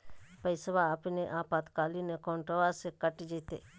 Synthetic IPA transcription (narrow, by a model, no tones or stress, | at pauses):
pəɪsʋaːpineʔaːpaːd̪kaːlinekɔːɳʈɾoʋasekəʈid͡ʒet̪ḛ